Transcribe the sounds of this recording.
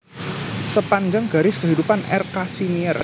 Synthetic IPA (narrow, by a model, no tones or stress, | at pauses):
səpaɲd͡ʒaŋɡaɾɪskəɦidupanɛ̰rkasiniər